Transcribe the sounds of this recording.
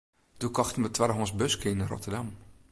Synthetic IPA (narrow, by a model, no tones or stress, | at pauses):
d̥ukɔxtən̩ʋətʋaɾəɦɔsbøskʰɪnrɔ̰tʰərdam